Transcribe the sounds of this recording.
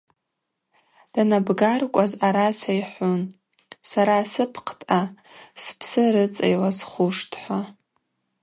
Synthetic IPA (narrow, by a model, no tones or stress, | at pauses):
d̥anabɡarkʷʼazaɾasajħʷun | saɾasɨpʰqʰtʼa | spʰsɨɾɨt͡sʼḛjlasχʷʊʂtʰħʷa